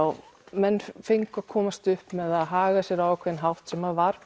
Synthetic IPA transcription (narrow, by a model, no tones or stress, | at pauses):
wmɛnːfɪŋkakʰɔːmast̪ʏhpmɛðaðɦaːɣasjɛɾawɛkʰvɛɾðnɦawht̪sɛmavaɾ̥